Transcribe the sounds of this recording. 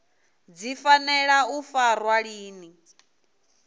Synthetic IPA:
d͡zifanɛɺaufaɾwaɺiːni

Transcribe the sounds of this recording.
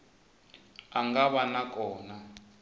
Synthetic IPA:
aŋɡaβanakɔːna

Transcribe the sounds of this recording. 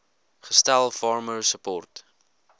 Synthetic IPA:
χəstælˠfɑːɹməɹsəpɔrt

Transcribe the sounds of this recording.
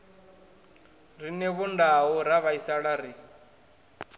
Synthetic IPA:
rinɛβundaɦuɾaβaisaɺaɾi

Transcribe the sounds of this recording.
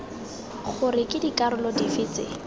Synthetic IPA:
χʊrɪkʼɪdikʼaɾʊlɔdifɪːt͡sɪ̰

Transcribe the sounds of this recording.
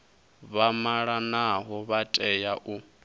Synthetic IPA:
βamaɺanaɦɔβatʼɛjaʔu

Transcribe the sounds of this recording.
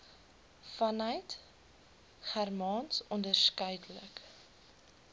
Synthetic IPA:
fɐnəjt | χærmɑnsɔndərskœjdələ̰k

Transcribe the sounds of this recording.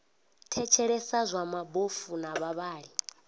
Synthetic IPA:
tʰɛt͡ʃʰɛɺɛsazʷamabofunaβaβaːɺi

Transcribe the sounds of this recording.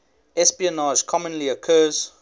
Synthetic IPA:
ɛspiənaːʒkʰɔmə̃nliəkʰɜːz

